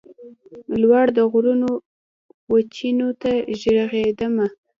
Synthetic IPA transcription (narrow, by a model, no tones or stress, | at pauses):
lwaɽd̪əɣɾuno | wat͡ʃinot̪aʒəɽɣed̪əma